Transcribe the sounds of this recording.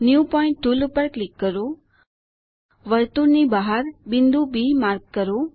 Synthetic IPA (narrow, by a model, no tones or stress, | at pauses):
njupɔɪ̃ɳʈʈːulupəɾklɪkːəɾo | ʋəɾt̪uɾnibaɦaɾbɪnd̪ubimaɾkːəɾo